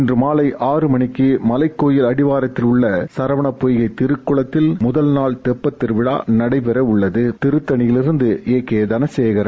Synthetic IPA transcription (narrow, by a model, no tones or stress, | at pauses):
ɪndrɯmaːlɐɪʔʔaːrɯmɐɳɪkːɯmɐlɐɪkːoːjɪlɐɽɪʋaːɾɐt̪ːɪlʊɭːɐsɐɾɐʋɐɳɐpːoːjɣɐɪt̪ɪɾɯkːɯɭɐt̪ːɪlmʊðɐlnaːɭt̪ɛpːɐt̪ːɪɾʋɪɽa̰ːnɐɽɐɪpɛɾɐʊɭːɐðɯt̪ɪɾɯt̪ːɐɳɪjɪlɪɾɯnd̪ɯʔeːkːeːðɐnɐsɛːjɣɐɾɐ